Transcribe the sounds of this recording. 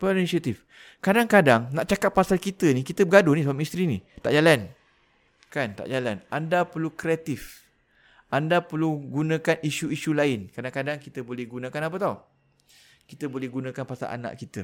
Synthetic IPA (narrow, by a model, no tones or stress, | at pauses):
pəinisiat̪if | kadaŋkadaŋnaʔt͡ʃakat̪̚pasalkit̪ənikit̪əbəɡadonisamist̪ɾinḭt̪a̰ʔd͡ʒalan | kant̪a̰ʔd͡ʒalanʔandapəlukɾeat̪ɪf | ʔandapəluɡunãkaniʃuiʃulaɪnkadaŋkadaŋkit̪əbolɛhɡunãkanap̬ət̪aw | kit̪əbolɛhɡunãkanpasa̰lʔa̰na̰ʔkit̪ə̰